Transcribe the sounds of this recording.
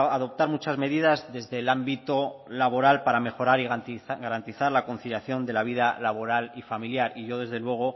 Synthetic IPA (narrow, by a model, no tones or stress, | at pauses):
aðo̞p̚t̪aɾmut͡ʃazme̞ðiðazðe̞zðe̞lambit̪o̞laβo̞ɾalpaɾame̞xo̞ɾaɾiɣɡaɾant̪iθaɾlako̞nθiljaθjo̞nd̪e̞laβ̞iðalaβo̞ɾalifamiljaɾiʝo̞ðe̞zðe̞lwe̞ɣ̞o̞